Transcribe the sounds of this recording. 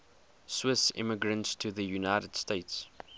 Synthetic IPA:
swɪsɪ̰məɡɹə̃ntstʰuðəjunaɪɾəd̥steɪts

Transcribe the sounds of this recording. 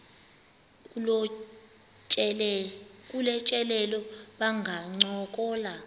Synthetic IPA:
kʼulɛt͡ʃʼɛlɛlɔɓaŋʱaŋ͡ǀɔk̬ʼɔːla

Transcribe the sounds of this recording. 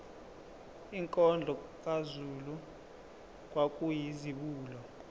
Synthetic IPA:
iŋkʼɔnd͡ɮʱɔk̬ʼazulu | k̬ʼwakʼujiziɓuːlɔ

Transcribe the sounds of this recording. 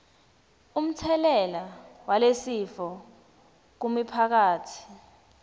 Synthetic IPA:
um̩tʰɛlɛlawalesifɔ | k̬umipʰak̬aːtʰi̥

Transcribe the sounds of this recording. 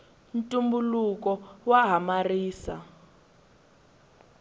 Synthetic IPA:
ntʼumbulukɔwaɦamariːsa̰

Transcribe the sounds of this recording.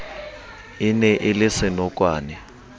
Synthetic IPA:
inɛʔɪlɪsɪnɔkʼwaːnɛ

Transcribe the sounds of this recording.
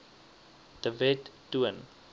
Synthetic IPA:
d̥əvɛtːuən

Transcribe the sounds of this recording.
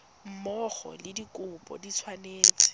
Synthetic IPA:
m̩mɔχɔ̰lɪdikʼʊpʼɔ̰dit͡sʰwaneːt͡sʼɪ̥

